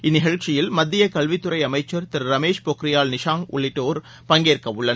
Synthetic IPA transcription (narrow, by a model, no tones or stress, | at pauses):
ɪnːɪɣɐɭt͡ʃɪjɪlmɐd̪ːɪjɐkɐɭʋɪt̪ːɯɾɐɪɐmɐɪt͡ʃːɐɾt̪ɪɾɾɐmeːʂpoːkɾɪjaːlnɪʂaːŋʊ̰ɭːɪʈːoːɾ | pɐŋɡeːrkɐʋɯɭːɐn